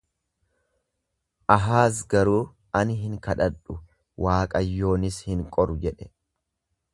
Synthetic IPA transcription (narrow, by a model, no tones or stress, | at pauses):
ʔɐɦaːs̬ɡɐɾuː | ɐnɪɦɪŋkɐᶑɐᶑʊ | wʔaːkʼɐjːo̞ːnɪshɪŋkʼɔɾʊd͡ʒɛᶑɛ̥